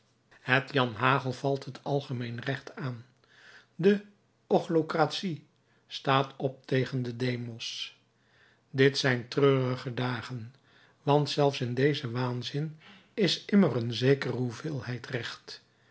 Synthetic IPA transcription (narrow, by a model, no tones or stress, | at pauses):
ɦətjɑnɦaːχəlˠv̥ɑlˠtɦətʰɑlˠχəmejnrɛχtaːn | də | ɔχlokratsi | staːtʰɔp̚tejχəndədejmɔs | dɪtsɛjntrøːrəχədaːχən | ʋɑntsɛlˠfsɪndejzəʋaːnzɪn | ɪsɪmərənzejkərəɦuvɪːlˠhɛjtrɛχt